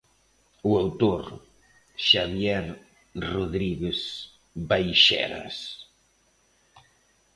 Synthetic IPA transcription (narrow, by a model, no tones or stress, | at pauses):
uawt̪oɾ | ʃaβjɛɾ | roðɾiɣes | bajʃɛ̰ɾa̰s